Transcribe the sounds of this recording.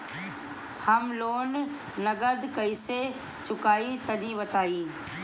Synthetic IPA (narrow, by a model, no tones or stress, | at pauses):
hɐmloːn | nɐɡəd̪kɐise | t͡ʃʊkaːit̪ɐnĩːʋɐt̪aːiː